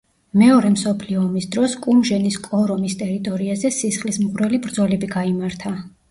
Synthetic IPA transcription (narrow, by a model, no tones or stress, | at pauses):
mɛɔɾɛmsɔpʰliɔːmisd̪ɾɔskʼumʒɛniskʼɔɾɔmist̪ʼɛɾit̪ʼɔɾiazɛsisχlismʁʼɾwɛlibɾd̪zɔlɛbiɡaimaɾt̪ʰa